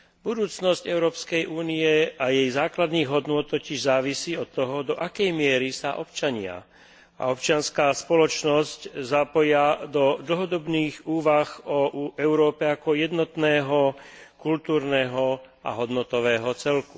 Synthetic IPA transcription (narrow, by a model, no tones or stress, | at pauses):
bud̪uːt͡snɔscɛʊɾɔːpskɛjʔuːniɛajɛjzaːklad̪niːɣɦɔd̪nʊɔt̪tːɔciʒzaːʋisiːɔt̪ːɔɦɔd̪ɔʔakɛjmɪɛɾisaʔɔpt͡ʃaɲɪa̰ | a̰ɔpt͡ʃɪanskaːspɔlɔt͡ʃnɔsczapɔjad̪ɔd̪l̩ɦɔd̪ɔbniːɣuːʋaxɔɛʊɾɔːpɛakɔjɛd̪nɔt̪nɛːɦɔkult̪uːɾnɛɦɔ | a̰ɦɔd̪nɔt̪ɔʋɛːɦɔt͡sɛlku̥